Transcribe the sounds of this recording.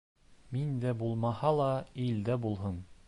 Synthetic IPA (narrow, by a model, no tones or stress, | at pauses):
mind̪æbulˠmɑhɑlˠɑild̪æbulˠɦɤn